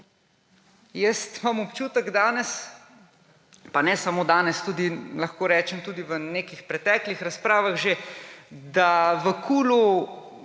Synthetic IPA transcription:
jɛst̪mamɔpt͡ʃuːt̪əɡd̪aːnɛs | panɛsamoːd̪aːnɛst̪uːd̪ilɐxkoːɾɛːt͡ʃɛmt̪uːd̪iʋəneːkixpɾɛt̪ɛːklixɾaspɾaːʋaɣʒe | d̪aʋəkʰuːlu

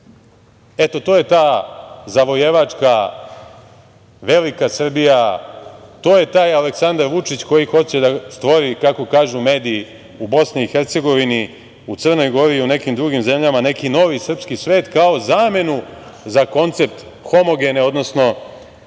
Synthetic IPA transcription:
e̞t̪o̞t̪oːje̞t̪aːzaʋo̞jeʋat͡ʂka | ʋe̞likasr̩bija | t̪o̞ːje̞t̪aːjaleksand̪aɾʋut͡ʂit͡ɕko̞jixo̞t͡ɕe̞d̪ast̪ʋo̞ɾikako̞kaːʒume̞ːd̪iː | ubo̞sniːxeɾt̪se̞ɡo̞ʋini | usər̩no̞jɡo̞ɾiːune̞kimd̪ɾuɡimze̞mʎamane̞kino̞ʋisr̩pskisʋe̞ːt̪kao̞zaːme̞nuzako̞nt̪se̞p̚t̪ | xo̞mo̞ɡe̞neod̪no̞sno̞

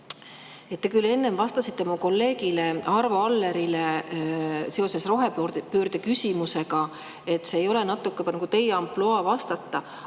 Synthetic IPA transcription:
e̞t̪ːe̞kylːe̞nːe̞mvɑst̪ɑsit̪ːe̞muko̞lːe̞ːɡ̥ile̞ɑɾvɑɑlːe̞ɾile | se̞o̞se̞sro̞ɦe̞pø̞ːrd̪̥ekysʲimuse̞ɡ̥ɑ | e̞t̪ːˑse̞ːjo̞le̞nɑt̪ːˑukːˑenɑɡ̥ut̪e̞jɑmploɑvɑst̪ɑt̪ːˑɑ

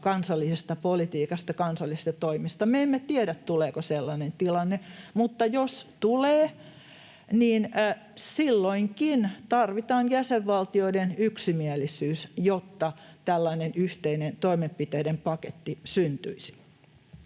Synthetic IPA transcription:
kɑnsɑlːisest̪ɑpolit̪iːkɑst̪ɑkɑnsɑlːˑisest̪ɑt̪oimist̪ɑmeemːet̪ieɾæt̪t̪uleːkoselːɑnent̪ilɑnːemut̪ːɑjost̪uleː | niːnː | silːoiŋkint̪ɑrʋit̪ɑːnjæseʋʋɑlt̪ioidenyksimielisyːsjot̪ːɑt̪ælːɑinenyht̪einent̪oimemppit̪eːdempɑket̪ːisynt̪yisi̥

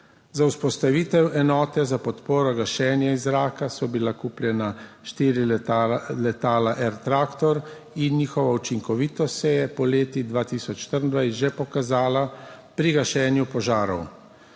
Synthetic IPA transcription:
zauspɔst̪aʋiːt̪ɛwʔɛnɔːt̪ɛzapɔt̪poːɾɔɡaʃɛːnjaizɾaːkasɔbilakuːpljɛna | ʃt̪iːɾi | lɛt̪aːlaʔɛɾt̪ɾaːkt̪ɔɾ | inɲiːxɔʋaut͡ʃiŋkɔʋiːt̪ɔt̪sɛjɛpɔleːt̪id̪ʋaːt̪iːsɔt͡ʃʃt̪əɾnd̪ʋaj̪ʒɛpɔkazaːla | pɾiɡaʃɛːnjupɔʒaːɾɔ̰w

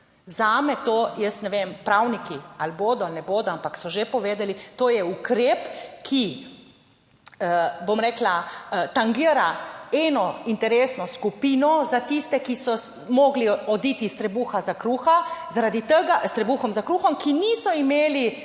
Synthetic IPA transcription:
zaːmɛt̪oːjəst̪nɛʋempɾawnikialboːd̪ɔalnɛboːd̪ɔampaksɔʒepɔʋeːd̪ɛlit̪oːjɛukɾeːpkʰi | bomɾɛːklat̪aŋɡiəɾaɛːnɔint̪ɛɾesnɔskupiːnɔzat̪ist̪ɛkisɔ | moːɡliɔd̪it̪ist̪ɾɛbuːxazakɾuːxazaɾad̪it̪əɡast̪ɾɛbuːxɔmzakɾuːxɔmkinisɔimeːli

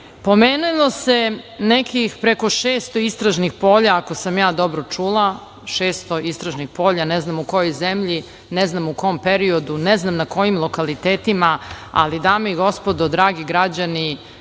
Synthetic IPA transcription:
po̞meːnulˠose̞nekixpɾeko̞ʃeːst̪oist̪ɾaʒnixpo̞ːʎaːko̞samjaːd̪o̞bɾot͡ʂuːlˠa | ʃeːst̪o̞ist̪ɾaʒnixpo̞ːʎaneznamuko̞jojzemʎi | neznamukompeɾio̞d̪uneznamnako̞jimlˠo̞kalit̪eːt̪imaa̰lid̪aːmeiɡo̞spod̪od̪ɾaːɡiɡɾad͡ʑani

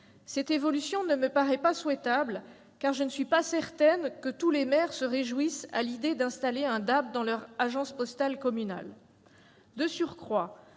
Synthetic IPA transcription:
sɛt̪evɔlysjɔ̃nəməpaʁɛpaswɛt̪abl | kaʁʒənəsɥipasɛʁt̪ɛnkət̪ulemɛʁsəʁeʒwisa̰lid̪ed̪ɛ̃st̪aleɛ̃d̪ap̚d̪ɑ̃lœʁaʒɑ̃spɔst̪alkɔmyna̰l | d̪əsyʁkχwa

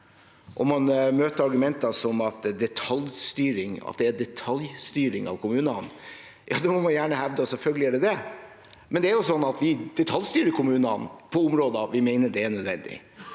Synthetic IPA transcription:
ʔɔ̰mːɑnmøːt̪əɾɑɾɡʉmɛnt̪ɑsɔmɑt̪d̪ɛt̪ʰɑljst̪yːɾɪŋɑ̰t̪̚d̪ɛæd̪ɛt̪ʰɑljst̪yːɾɪŋɑ̰ʋkʰʊmʉːnɑn | jʔɑ̰ːd̪ɛmɔmɑnjæːɳəhæʋd̪əɔsɛlfœlɡəlɪæɖɛd̪ɛ | mɛnd̪ɛæɾjʊsɔnːɑt̪ʋɪd̪̥ɛt̪ʰɑljst̪yːɾəkʰʊmʉːnɑnpʰɔʊmɾoːd̪əʋɪmeɪnəɖɛæɳœd̪ʋɛ̰nd̪ɪ̰

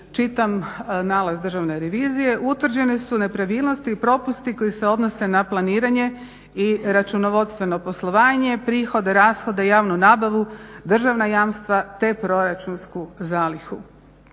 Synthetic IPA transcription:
t͡ʃit̪amnaːlazd̪r̩ʒaʋne̞ɾeʋiːzije̞ʔut̪ʋr̩d͡ʑe̞nisune̞pɾaʋiːlˠno̞st̪ipɾo̞pust̪iko̞jise̞o̞d̪no̞se̞naplˠaniːɾaɲe̞ | iɾat͡ʃunoʋo̞d̪st̪ʋe̞no̞po̞slˠo̞ʋaːɲe̞pɾiːxo̞d̪eɾaːsxo̞d̪aijaːʋnunaːbaʋud̪r̩ʒaʋnajaːmst̪ʋat̪e̞pɾo̞ɾat͡ʃunskuzaːlixu

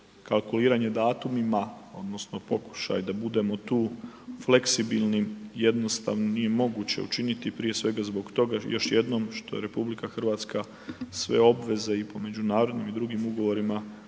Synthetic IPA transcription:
kalˠkuliːɾaɲe̞d̪aːt̪umimao̞d̪no̞sno̞po̞ku̥ʃa̰jd̪abud̪e̞mo̞t̪uːfle̞ksibilnije̞d̪no̞st̪aʋnonije̞mo̞ɡut͡ɕe̞̰ṵt͡ʃinit̪ipɾije̞sʋe̞ɡazbo̞ɡt̪o̞ɡajo̞ʃje̞d̪no̞mʃt̪o̞jeɾe̞publikaxr̩ʋaːt̪ska | sʋe̞̰o̞bʋe̞ze̞ipo̞me̞d͡ʑunaːɾo̞d̪nimid̪ɾuɡimuɡo̞ʋo̞ɾima

